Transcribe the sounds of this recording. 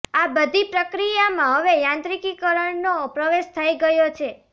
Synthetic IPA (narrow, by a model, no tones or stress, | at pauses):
abəd̪ʱipɾəkɾijamãɦəʋejãnt̪ɾikikəɾəɳnopɾəʋeʃt̪ʰəiɡəjot͡ʃʰe